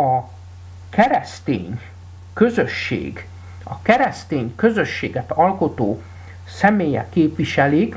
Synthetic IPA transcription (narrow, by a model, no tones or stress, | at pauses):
ɒ | kɛɾɛst̪ḛːɲ | kø̞zøʃːḛːɡ | ɒkɛɾɛst̪eːɲkø̞zø̞ʃːeːɡɛt̪ɒlko̞t̪oː | sɛmeːjɛ̰kːeːpʋiʃɛlik